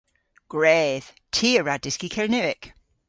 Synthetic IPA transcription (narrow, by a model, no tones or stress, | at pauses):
ɡ̥ɹɛːð̥ | tʰiəɹadɪskikʰɛɹnɛɪk